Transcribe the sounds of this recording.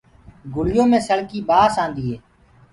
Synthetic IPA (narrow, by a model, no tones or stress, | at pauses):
ɡʊɽɪjõːmẽːsəɽkiːɓaːsãːnd̪iːɦeː